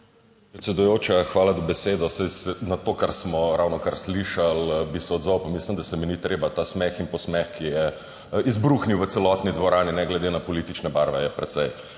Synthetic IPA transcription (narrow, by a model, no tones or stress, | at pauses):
pɾɛt̪sɛd̪ujoːt͡ʃaxʋaːlad̪ɔbɛseːd̪ɔsɛsɛnat̪okaɾsmɔɾawnɔkaɾsliʃalbisɛɔd̪zɔwpamislimd̪asɛminit̪ɾeːbat̪aːsmɛxinpɔsmɛxkijɛ | izbɾuxniwʋət̪sɛlɔt̪nid̪ʋɔɾaːninɛɡlɛd̪enapɔlit̪it͡ʃnɛbaɾʋɛjɛpɾɛt̪sɛj